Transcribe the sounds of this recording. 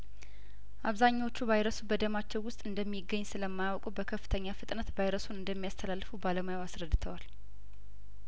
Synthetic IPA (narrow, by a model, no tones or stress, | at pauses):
ʔaβzaɲːawo̞t͡ʃːuβajɾəsubəd̪əmat͡ʃːɛwːʊst̪ʼɨnd̪əmːiɡːəɲːsɨləmːajawkʼuwbəkʰəfːɨ̥t̪ʰəɲːafɨt̪ʼnət̪bajɾəsunɨnd̪əmːijast̪ʰəlalːfubaləmajawasɾəd̪ːɨt̪ʰəwal